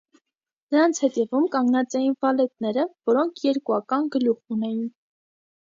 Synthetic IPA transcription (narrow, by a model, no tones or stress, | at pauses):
nəɾɑnt͡sʰhɛt̪ɛvumkɑŋɡnɑt͡sɛjinvɑlɛt̪̚nɛɾəvɔɾɔŋkʰjɛɾkuɑkɑnɡəluʁunɛjin